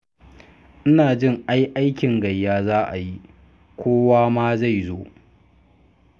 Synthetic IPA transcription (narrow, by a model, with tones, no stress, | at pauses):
ʔɪ˦naː˨d͡ʒɪ˦ŋʔa˦jʔa˦jkʲɪ˨ŋɡɐ˨jːaː˦zaː˦ʔa˨ji˦ | kʷʰoː˦waː˦maː˦za˦˨jzoː˦